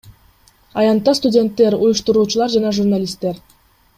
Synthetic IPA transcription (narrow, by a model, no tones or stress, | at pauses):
ɑjɑnt̪ːɑst̪ʊdʲe̞nt̪ːe̞ɾujuʃt̪uɾuːt͡ʃulˠɑɾd͡ʒɑnɑʒurnalʲist̪ːe̞ɾ